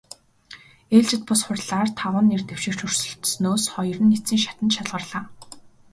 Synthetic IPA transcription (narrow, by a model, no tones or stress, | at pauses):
eːɮt͡ɕɪ̆t̪̚pʊsχʊrʲɮaːrt̪ʰaʁə̆nːert̪ew̥ʃĭkt͡ɕʰɵr̥sɵ̆ɬt̪snoːsχɔjɞ̆rɘ̆nːet͡siːŋʃḁt̪ə̆nʃat̪ɮʁə̆rɮaː